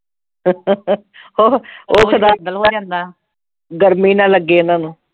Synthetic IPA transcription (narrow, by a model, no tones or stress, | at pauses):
oːoːkʰəd̪aːlːãːnd̪aː | ɡəɾmiːnãːləɡːeːɪnãːnũː